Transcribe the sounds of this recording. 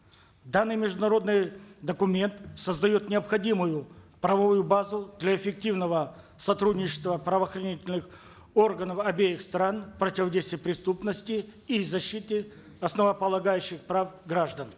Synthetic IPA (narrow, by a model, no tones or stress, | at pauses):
d̪anːɨjmʲɪʐd̪ʊnɐɾo̞d̪nɨjd̪əkʊmʲe̞nt̪səzd̪ɐjo̞t̪nʲɪəpxɐdʲimʊjʊpɾɐvɐvujʊbazʊd̪lʲɐɪfʲɪk̚tʲivnəvə | sɐt̪ɾudʲnʲɪt͡ɕɪ̥st̪vəpɾəvəːxrɐnʲitʲɪlʲnɨx | orɡənəfɐbʲejɪxst̪ɾanpɾətʲɪvɐdʲejst̪vʲɪjəpɾʲɪst̪upnəsʲtʲɪizɐɕːit̪ɨ | ɐsnəvəpəlˠɐɡajʉɕːɪxpɾafɡɾaʐd̪ən